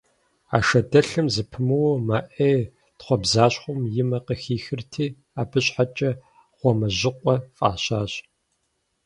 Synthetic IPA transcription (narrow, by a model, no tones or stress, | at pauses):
a̰ːʃɐdɐɬɨmzɨpʰɨmɨwmaːʔeː | tχʷɔbzaːɕχʷʊmjɪmɐqəxiːxɨrtʰiː | aːbɨɕʼħat͡ʃʼɐ | ʁ̥ʷɔmɐʑɪqʷʼɔfʼa̰ːɕaːɕʼ